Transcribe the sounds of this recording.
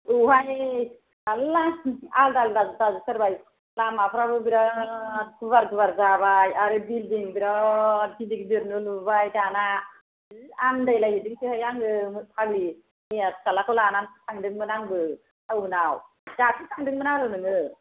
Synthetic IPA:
uɦaj | alaaldalɾazutazusəɾbaj | lamapʰɾabɯbiɾa | kʰuβaɾkʰɯbaɾzabajaɾɯbildiŋbiɾakidikdiɾnulubajkana | andajlaɦidiŋkʰɯɦajaŋɡɯmɯpʰaɡli | miaskalakʰulanansaŋdɯŋbɯnaŋbɯ | awbɯnaw | d͡ʒatʰisaŋdɯŋbɯnaɾɯnɯŋɯ

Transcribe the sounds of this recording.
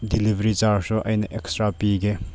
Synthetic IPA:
dilivɾit͡ʃaɾsɔʔɐjnəʔɛkstɾapiɡe

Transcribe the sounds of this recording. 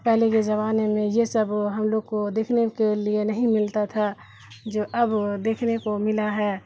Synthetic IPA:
pɛɦleked͡ʒɐβaːnemẽjesəbɦɐmloːɡ̚kod̪eːkʰnekelienəɦĩmɪlt̪at̪ʰa | d͡ʒoːʔɐbd̪eːkʰnekomɪlaɦɛː

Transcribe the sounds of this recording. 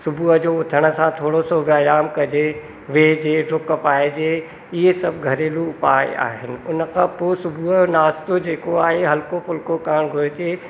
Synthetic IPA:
sʊbʱuːəd͡ʑoːʊt̪ʰəɽ̃ə̆sãt̪ʰoːɽosoːʋəjaːmkɐd͡ʑe | ʋeːd͡ʑeːɾʊkpaːed͡ʑeː | ɪesɐbʱɡʱɐɾeːluʊpaːɪ̰a̰ːɦɪnɪ̆ʊnə̆kʰãpoːsʊbʱuɦəonaːst̪od͡ʑeːkoaːɦeɦɐlkopʊlkokaːɽ̃ɡʱʊɾɪt̪eː

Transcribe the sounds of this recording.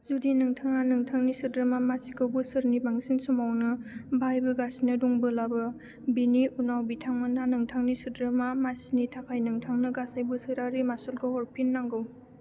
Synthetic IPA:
zudinɯŋtʰaŋanɯŋtʰaŋnisɯdɾɯmamasikɯwbusɯɾnibaŋsinsumawnɯbʱajbɯɡasinɯdɔŋbɯlabɯ | biniunawbitʰaŋmananɯŋtʰaŋnisɯdɾɯmamasinitʰapʰajnɯŋtʰaŋnɯɡasajbɯsɯɾaɾimasulɡɯhɔɾpʰinːaŋɡɯw

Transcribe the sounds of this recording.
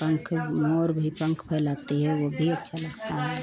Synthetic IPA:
pəŋkʰmoɾbʱipəŋkʰpʰɛɪlat̪eɦɛʋobʱiətːʃʰaləɡt̪aɦɛ

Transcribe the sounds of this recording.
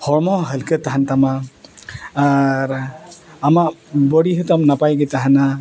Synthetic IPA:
hʰɔɹmɔɦəlkʰɯt̪aɦantamaː | ɾamabɔɽiɦɯtamnapajɡɛtaɦana

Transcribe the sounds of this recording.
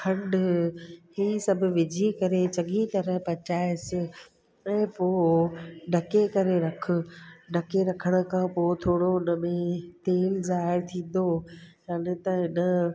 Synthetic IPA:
kʰɐ̃ɳɖ | hiːsɐbʱʊ̆ʋɪd͡ʑʱikɐɾet͡ɕɐɠʱit̪ɐɾəɦpɐt͡ɕaːɪsɪ | ɛ̃ːpoː | ɖɐkekɐɾeɾɐkʰʊ̆ɖɐkeɾɐkʰəɽ̃ə̆kʰãːpoːt̪ʰoːɽoʊnə̆mẽt̪eːlzaːɪɾt̪ʰĩːn̆d̪ojanɪt̪ɐɦɪnə

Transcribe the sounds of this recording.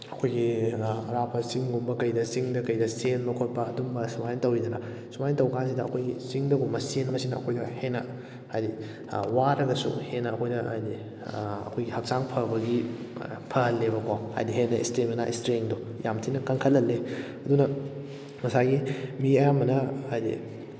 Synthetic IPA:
ɐkʰojɡiɐɾapʰɐsiŋɡumbɐkɐjdɐsiŋdɐkɐjdɐsenmɐkʰot̚pɐːdumbɐsumajntɐwidɐnɐ | sumajntɐwkansidɐːkʰojɡisiŋdɐɡumɐsenɐmɐsinɐɐ̰kʰojdɐhenːɐ̰ | hajdḭ | waɾɐɡɐsṵhenːɐːkʰojdɐa̰jdi | ɐ̰kʰojɡihɐk̚saŋpʰɐbɐɡi | pʰɐɦɐlːebɐkʰowha̰jdiɦenːɐḭstemɐnaʔistɾeŋdojʔamtʰinɐkɐŋkʰɐlːɐlːe | ɐdunɐ | mɐsaɡimiɐjamɐnɐajdḭ

